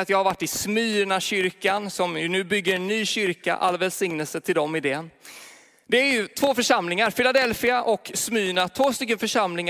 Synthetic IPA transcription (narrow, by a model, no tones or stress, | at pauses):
at̪jɑːɡhaɾvaʈːɪsmyːɳaɕʏɾkansɔmjɵnʉ̟ːbʏɡːəɾɛnːyːɕʏɾka̰ʔa̰lːvɛlsɪŋnɛlsət̪ʰɪld̪ɔmɪd̪eː | d̪ɛæɾjɵt̪ʰvoːfœʂamlɪŋaɾfɪlad̪ɛlfɪaʔɔksmyːɳat̪ʰvoːst̪ʏkːənfœʂamlɪŋ